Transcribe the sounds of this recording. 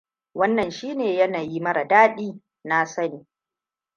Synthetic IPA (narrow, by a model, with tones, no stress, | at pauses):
wɐ˦nːɐ˨nʃiː˦neː˨jɐ˦naː˨ji˦mɐ˦ɽa˨daː˦ɗiː˦ | na˦sɐ˦niː˨